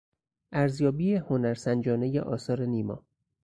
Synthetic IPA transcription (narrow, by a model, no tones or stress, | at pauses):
ʔæɾzjɒːbiːeho̞næɾsænd͡ʒɒːne̞jḛʔɒːsɒːɾeniːmɒ̰ː